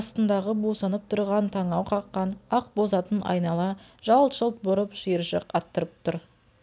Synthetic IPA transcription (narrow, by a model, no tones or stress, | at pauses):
st̪ənd̪ɑʁəbosənəp̚t̪ʰʊɾʁɑnt̪ʰɑɴɑwqʰɑqːɑnɑq̚bo̞zɑt̪ənʔɑ̰jnɑlˠɑʒ̥ɑlˠt̪ʒəlˠt̪̚bʊɾəpʒiɾʒə̰qɑt̪ːəɾəp̚t̪ʰʊɾ